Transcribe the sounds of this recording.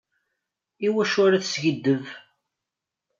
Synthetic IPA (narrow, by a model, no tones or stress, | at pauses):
iwæʃʊɾaθsʝəd̪ːəv